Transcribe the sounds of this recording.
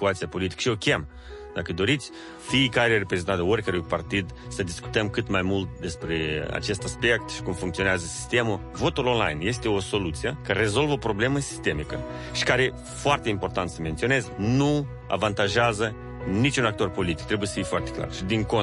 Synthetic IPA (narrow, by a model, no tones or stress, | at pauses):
t̪uat̪siapo̞lit̪ikəʃio̞kʲem | d̪akəd̪o̞ɾit̪sʲ | fiːkaɾerepɾezent̪at̪əorʲkaɾujpart̪id̪ | səd̪isku̥t̪əmkɨt̪majmult̪̚d̪e̞spɾe̞a̰t͡ʃe̞st̪aspe̞kt̪ʃi̥kumfuŋkt̪sioneazəsi̥st̪e̞mu | vo̞t̪ulonla̰jnje̞st̪e̞o̞so̞lut̪sijekəre̞zo̞lvəopɾo̞ble̞məsi̥st̪e̞mikə̰ | ʃi̥kaɾe̞ | foart̪e̞impo̞rt̪ant̪səme̞nt̪sio̞ne̞znu | a̰vant̪aʒeazə | nit͡ʃunak̚t̪o̞rpo̞lit̪i̥k̚t̪ɾebuje̞sə̥fijfoart̪e̞kla̰rʃid̪iŋko